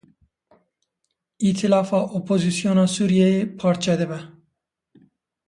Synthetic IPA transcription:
iːt̪ʰilɑːfɑːʔopʰoːzisijoːnɑːsuːɾijɛjeːpʰɑːɾt͡ʃʰɛd̪ɨbɛ

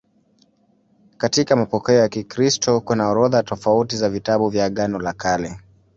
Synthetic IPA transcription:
katikamapɔkɛɔjakikɾistɔkunaɔɾɔðatɔfautizavitaɓuvjaɠanɔlakalɛ

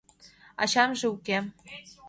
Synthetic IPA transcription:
ɑ̰ɕɑmʒĕuke

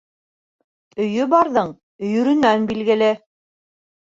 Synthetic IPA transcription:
ɵ̆jɵbɑɾðɤɴ | ɵ̆jɵ̆ɾɵ̆nænbilɡɘ̆lɘ

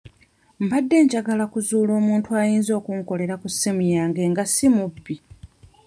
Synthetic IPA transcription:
m̩badːe̞ːɲɟaɡalakuzuːlo̞ːmuːntʰuajiːnzo̞ːkuŋko̞le̞ɾakusimujaːŋɡe̞ːŋɡasimubːi

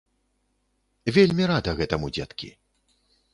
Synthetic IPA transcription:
vʲelʲmʲiɾad̪ɐɣɛt̪ɐmud͡zʲa̰t̪kʲḭ

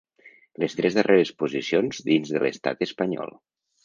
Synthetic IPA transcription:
ləst̪ɾɛzðəreɾəspuzisionzðinzðələst̪a̰t̪əspəɲɔ̰lˠ

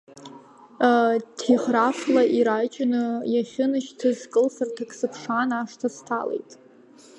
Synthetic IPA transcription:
tʰiχraflaʔiɾajt͡ʃʼɪnɨjaχʲɪnɨʃtʰɨzkʼɨlsɨrtʰakʰʼsɨpʰʂanaʂtʰastʰa̰le̞̰jtʼ

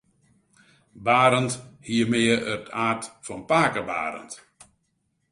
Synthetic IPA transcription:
baːɾənthiəmɪəʔərtaːrtfɔnpaːkəba̰ːɾə̰nt

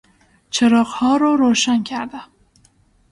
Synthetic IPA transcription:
t͡ʃʰeɾɒːɢhɒːɾɒːɾoːʃæncʰæɾd̪æm

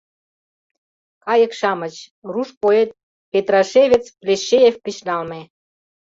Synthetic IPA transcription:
kɑjə̆kʃɑmə̆t͡ɕruʃpoet̪̚ | pet̪rɑʃeβʲet͡splʲeʃːejefpiʃnɑlme

